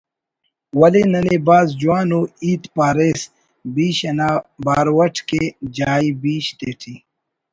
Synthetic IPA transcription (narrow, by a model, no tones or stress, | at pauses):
wɐlenɐnebaːzd͡ʒuwaːnoːiːt̪paːɾeːs | biːɕɐnaːbaːɾwɐʈʰked͡ʒaːibiːɕt̪eːʈʰiː